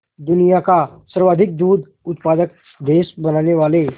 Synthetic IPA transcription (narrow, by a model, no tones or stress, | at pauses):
d̪unijakasəɾʋad̪ʱik̚d̪uːd̪ | ʊt̪̚pad̪ək̚ | d̪eːsbənaneʋaːle